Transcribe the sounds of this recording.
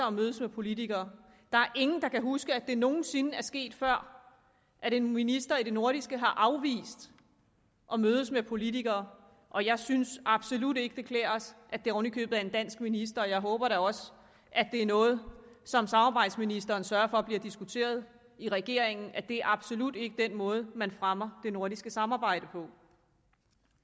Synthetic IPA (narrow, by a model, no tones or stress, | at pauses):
ɐɒ̽møːð̞ˠəsmepʰo̝lit͡sʰiɡ̥ɐː | d̥ɑ̈æɐʔe̝ŋn̩d̥ɑ̈kʰæɦusɡ̥əæd̥e̝no̝ːn̩se̝nəæɐsɡ̥e̝̰ːd̥fɶɐ̰ | ʔæɾe̝nminisd̥ɐiɾ̥e̝no̝ɐɾ̥isɡ̥əɦɑ̈ʔɑ̈ʊʋḭːsd̥ | ʔɒ̽møːð̞ˠəsmepʰo̝lit͡sʰiɡ̥ɐː | ʔɒ̽jɑ̈ɪsynsɑ̈b̥so̝lud̥e̝ɡ̥əd̥e̝kʰlɛ̰ːɐsʔæ̥d̥e̝ɔnikʰø̰ːb̥ð̩ˠæɐe̝nd̥æn̰sɡ̥minis̬d̥ɐɒ̽jɑ̈ɪɦɔ̽ːb̥ɐɾæɒ̽s | ʔæd̥e̝æɐnɔ̽ːð̞̩ˠsɒ̽msɑ̈mɑ̈ːb̥ɑ̈ɪ̰d̥sminisd̥ɐːnsɶːɐfɒ̽b̥liɐd̥isɡ̥ut͡sʰe̝̰ːɐð̞̩ˠ | iʁɛɡ̥e̝ɐ̰e̝ŋn̩ʔæd̥e̝æɐɑ̈b̥so̝lud̥e̝ɡ̥əd̥en̰mɔ̽ːð̞̩ˠmænfʁamɐd̥e̝no̝ɐ̰ɾ̥isɡ̥əsɑ̈mɑ̈ːb̥ɑ̈ɪ̰d̥əpʰɒ̽